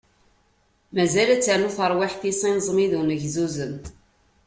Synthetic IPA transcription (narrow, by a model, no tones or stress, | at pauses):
mæzælæt͡sːaʕnuθəɾˤwiħθisˤinzˤmiðunəʝzuzəm